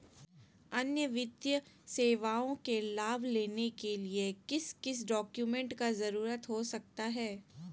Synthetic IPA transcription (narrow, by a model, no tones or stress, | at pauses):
ɐnjəʋɪd̪jəseːʋaːõkelaːbʱleːnekeliekɪskɪs̬ɖɔːkjumɛ̃ɳʈkazɐɾuːɾət̪ɦosɐk̚t̪aɦɛː